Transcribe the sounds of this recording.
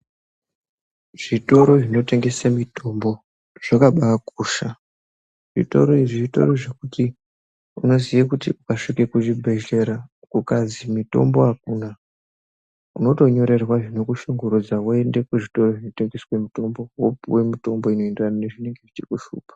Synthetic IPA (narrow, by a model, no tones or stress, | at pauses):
ʐ̥ito̞ɾo̞ʐino̞te̞ŋɡe̞samito̞mbo̞ | ʐ̥akaɓaːkuːʃa | ʐḭto̰ɾoiʐito̞̰ɾoʐekuti | uno̞zijakutiʔukaʂikekuʐibʱe̞ʒeɾa | kukazimito̞̰mbo̞akuna | uno̞to̞ɲo̞ɾe̞rwaʐino̞kuʃuŋɡoɾud͡zawoende̞kweʐito̞ro̞ʐino̞te̞ŋɡe̞swemito̞mbo̞wopuwemito̞mbo̞ino̞endwanane̞ʐine̞ŋɡe̞ʐit͡ʃikuʃṵːpḁ